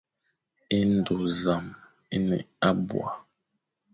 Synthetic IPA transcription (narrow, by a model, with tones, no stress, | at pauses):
i˦n̩˦˨do˨za˨m | i˦nɛ̰˨a˦bw̰a˨